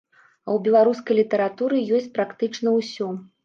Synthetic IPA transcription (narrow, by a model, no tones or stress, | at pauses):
ɐwbʲɛlˠaɾuskɐjlʲit̪ɐɾat̪uɾɨjɔsʲt͡sʲpɾakt̪ɨt͡ʂnɐwsʲɔ